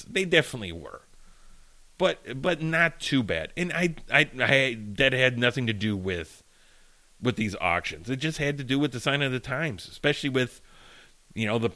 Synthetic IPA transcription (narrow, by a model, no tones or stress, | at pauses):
ðeɪdɛfənətˡlḭwə̰˞ | b̥ʌt̚b̥ʌtⁿnətʰʉbæ̰ɾɨ̃naɪaɪaɪdɛd̚ɨdⁿnʌθɪ̃ŋtɨdɨwɪð̥ | wɨðizɑ̰kʃɨ̰̃nzɨt̚d̥ʒ̥ʌst̚hɨd̚tɨdɨwɨðɨsãɪ̃ñʌvðɨtʰãɪ̃mz̥ɨspɛʃl̩ˠiwɪð̥ | jɨnoʊðə